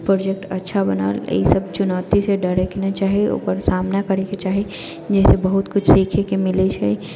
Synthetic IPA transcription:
pɾod͡ʒek̚ʈə̰tːʃʰabəna̰ːlḛisəb̚t͡ʃunat̪iseɖəɾekenet͡ʃaːɦio̰ːkəɾsamnakəɾɛket͡ʃaːɦi | d͡ʒɛsebəɦut̪kʊt͡ʃʰsikʰekemilɛt͡ʃʰəj

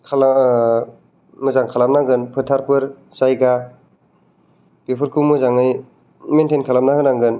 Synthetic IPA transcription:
kʰala | mɯzaŋkʰalamnaŋɡɯnpʰɯtʰaɾpɯɾ | sajɡa | b̥ipʰɯɾkʰɯmɯzaŋɯj | mentʰenkʰalamnaŋɡɯnaŋɡɯn

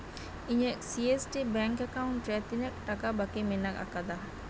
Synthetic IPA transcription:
iɲək̚siesʈibɛŋkɛkawɳʈɾɛt̪inək̚ʈakabakemenaka̰kad̪a

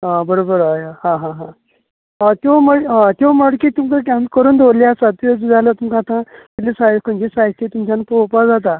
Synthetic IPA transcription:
əbəɾobəɾajaɦãɦãɦã | t̪joməɽt̪joməɽkit̪umkakãmikəɾuːnd̪ʱoliasat̪ujod͡zud͡zalat̪umkaat̪ãpilasajkənd͡ʑesajit̪ʰet̪umt͡ɕanapopad͡zat̪̬a

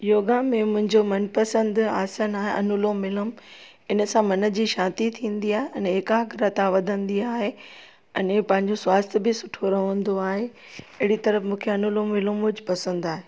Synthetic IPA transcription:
joːɡãmẽmʊ̃ɦɪ̃ɲd͡ʑomɐnpɐsə̃nd̪a̰ːsənaːɦeʔɐ̰nʊlomɪləm | ɪnə̆sãmɐnə̆d͡ʑiːʃãːnt̪it̪ʰĩːnd̪iaːɦeɐnɦekaːkɾɐt̪aʋɐd̪ʱə̃nd̪iaːɦe | ɛnpɐ̃ɦɪ̃ɲ̆d͡ʑoswaːst̪ʰbɪsʊʈʰoɾɐʋə̃nd̪oaːɦe | ɐɦɪɽit̪ɐɾəfmũːkʰeɐnʊlomɪləmʊd͡ʑpɐsə̃nd̪aːɦe

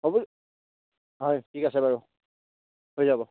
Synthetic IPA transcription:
ɦobu | ɦɔjtʰikasɛbaɹu | ɦojzabɔ

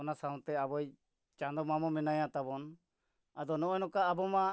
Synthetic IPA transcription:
ɔnasaw̃t̪ɛabɔj | t͡ʃand̪ɔmamɔmɛnajãt̪abɔn | ad̪ɔnɔʔɛnɔkaːbɔma

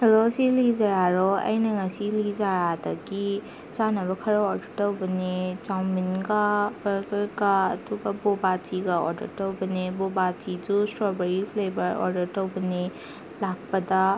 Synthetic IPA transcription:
hɐlosilizaɾaɾɔɐ̰jnɐŋɐsilizaɾadɐɡi | t͡ʃanɐβɐkʰɐɾɐɔɾdɐɾtɐwbɐnet͡ʃawminɡabɐɾɡɐɾɡaɐduɡɐbobatiɡɐɔ̰ɾdɐ̰ɾtɐwbɐnebobatidustɾɔbɐɾipʰlejbɐɾɔ̰ɾdɐɾtɐwbɐni | lak̚pɐdɐ

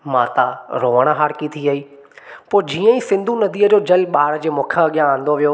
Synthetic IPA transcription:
maːt̪aɾoːʋəɽ̃aɦaːɽkit̪ʰiʋɐiː | poːd͡ʑiːə̃ĩːsɪ̃nd̪ʱunɐd̪ʱiːəd͡ʑoːd͡ʑɐlɓaːɾəd͡ʑeːmʊkʰə̆ɐɠijããːn̆d̪oʋijoː

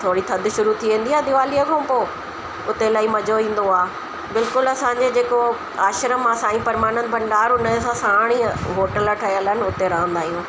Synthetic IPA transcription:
t̪ʰoːɽit̪ʰɐd̪ʃʊɾut̪ʰiʋẽːnd̪iaːd̪ɪʋaːlijəkʰõːpoː | ʊt̪elaːimɐd͡ʑʱoʋĩːn̆d̪oaː | bɪlkʊlɐsãːɲd͡ʑed͡ʑeːko | aːʃɾəmasãːĩpɐɾmaːnənbʱɐ̃ɳɖaːɾʊnəsãsaːɽ̃iɦoːʈəlɐʈʰəjəlɦɪnɪ̆ʊt̪eɾɐɦə̃nd̪aːɦijũː

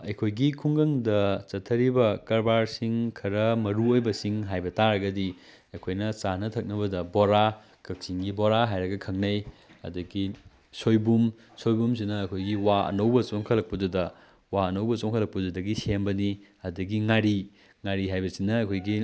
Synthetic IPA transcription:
ɐjkʰojɡikʰuŋɡɐŋdɐt͡ʃɐtʰːɐɾibɐkɐɾbaɾsiŋkʰɐɾɐmɐɾuojbɐsiŋɦajbɐtaɾɐɡɐdi | ɐjkʰojnɐt͡ʃanɐtʰɐk̚nɐbɐdɐboɾa | kɐk̚t͡ʃiŋɡiboɾaɦajɾɐɡɐkʰɐŋnɐjɐ̰dɐɡi | sojbum | sojbums̬inɐɐkʰojɡiwaɐ̰nɐwbɐt͡ʃoŋkʰɐlɐk̚pɐdudɐ | waɐnɐwbɐt͡ʃoŋkʰɐlːɐk̚pɐdudɐɡisembɐni | ɐdɐɡiŋaɾi | ŋaɾiɦajbɐsinɐɐkʰojɡi

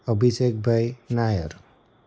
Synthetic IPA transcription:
ʌbʱisek̚bʱajnajɔɾ

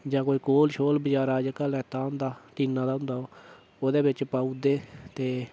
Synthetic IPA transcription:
d͡ʒãːkoːiːkoːlʃoːlbəd͡ʒaːɾaːd͡ʒəkəlɛ̃ːt̪aːʊ̃nd̪aːʈ̪iːnːãːd̪aːʊ̃nd̪aːoː | oːd̪eːbɪt͡ʃpaːud̪eːt̪eː

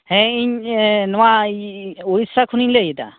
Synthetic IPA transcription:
hɛ̃iɲnɔwa | ojsakʰuniɲlɛjɛd̪a̰

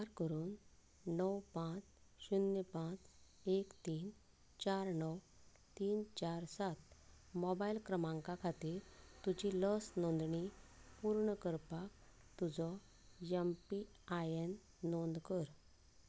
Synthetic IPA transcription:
aɾkəɾuːnː | əwpãt͡s | ɕunjəpãt͡s | ekt̪iːn | t͡ɕaɾnəw | t̪iːnt͡ɕaɾsat̪̚ | mɔbailkɾəmãŋkakʰat̪iːɾt̪ud͡ʑiləsnõnd̪ɳipuɾɳəkəɾpak̚ | t̪ud͡zɔ | jɛmpi | ajenː | ond̪kəɾ

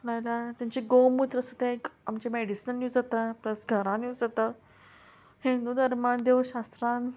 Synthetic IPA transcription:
lajlat̪jãɲt͡ɕiɡomut̪ɾəsud̪ʱãekamt͡ɕemeɽisnəlːjud͡zat̪apləsɡʱəɾãnjud͡zat̪a | hind̪ud̪ʱəɾmaɳd̪eʋɕast̪ɾãn

